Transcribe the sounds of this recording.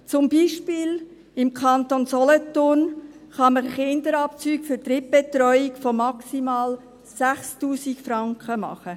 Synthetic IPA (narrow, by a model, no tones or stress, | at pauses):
t͡sʊmbiːʃpɪːl | ɪmkʰɑnt̪onsɔlɔt̪ʊn | χɑməɾəχɪnd̪əɾɑp̚t͡syːkfʏɾtɾɪp̚b̥etɾɔʏikfɔmɑksimɑːl | sæχstuːsikfɾɑŋkχəmɑ̰χə